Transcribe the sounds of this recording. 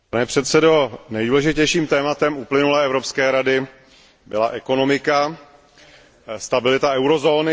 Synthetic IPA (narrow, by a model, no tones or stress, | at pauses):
panɛpr̝̥ɛt̪sɛdo̞nɛjduːlɛʒɪcɛjʃiːmt̪ɛːmat̪ɛmuplɪnulɛːɛvɾopskɛːɾadɪ | bɪlaʔɛko̞no̞mɪka | st̪abɪlɪt̪aɛwɾo̞zoːnɪ